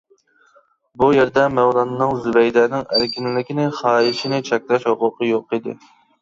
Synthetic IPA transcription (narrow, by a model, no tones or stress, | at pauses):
bujeɾd̪ɛmɛwlˠɑnɨnɨŋzybɛjd̪ɛːnɪŋæɾkʲinɪlɪkʲinɪχɑːiʃinɪt͡ʃʰɛkʲlɛʃhoqʊqʰəjoqid̪ɪ̰